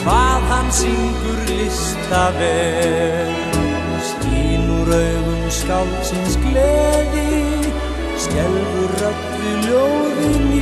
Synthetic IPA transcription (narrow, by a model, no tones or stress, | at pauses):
kʰvaːðhanːsiŋkʏɾlɪst̪avɛː | ð | st̪iːnuɾœɥɣʏmskawlt̪sɪnsklɛːðɪ | scɛlː | ʏrœt̪ː | ʏljowðɪn